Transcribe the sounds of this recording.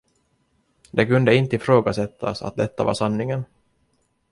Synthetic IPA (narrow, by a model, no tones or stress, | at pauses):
d̪ɛkɵnd̪əɪnt̪əɪfɾoːɡasɛt̪ʰːa̰sa̰t̪̚d̪ɛt̪ːava̰ʂanːɪŋən